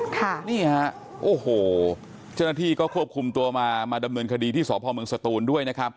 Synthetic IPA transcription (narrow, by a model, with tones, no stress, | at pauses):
kʰa˥˩niː˥˩ha˦˥ʔ | ʔoː˨˩hoː˨˩ | t͡ɕa˥˩wna˥t̪ʰiː˥˩kɔː˥˩kʰu˥˩əp̚kʰu˧mt̪u˧ɐmaː˧maː˧da˧mnɤː˧nkʰa˧diː˧t̪ʰiː˥˩sɔː˩˦pʰɔː˧mɯ˧ə˧ŋsa˨˧t̪uː˧ndu˥˩əjna˦˥kʰa˦˥p̚